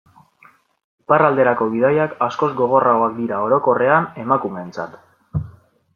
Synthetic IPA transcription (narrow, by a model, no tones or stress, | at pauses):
iparald̪e̞ɾako̞βið̞ajakasko̞zɡo̞ɣ̞o̞rao̞akd̪iɾao̞ɾo̞ko̞re̞ane̞makume̞ːnt͡sa̰t̪